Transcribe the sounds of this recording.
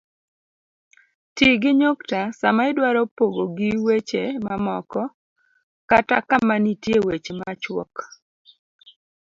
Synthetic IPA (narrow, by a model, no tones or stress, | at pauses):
tiɡɪɲoktasamaɪdwaɾɔpoɡoɡɪwet͡ʃemamɔkɔ | katakamanitjewet͡ʃemat͡ʃwɔk